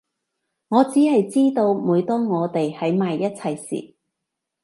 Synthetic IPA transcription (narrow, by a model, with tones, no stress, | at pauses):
ŋɔː˨˧t͡siː˨˥hɐ˨jt͡siː˥t̪o˧wmuː˨˧jt̪ɔː˥ŋɔː˨˧t̪e˨jhɐ˨˥jmaː˨jːɐ˥t̚t͡sʰɐ˧jsḭː˨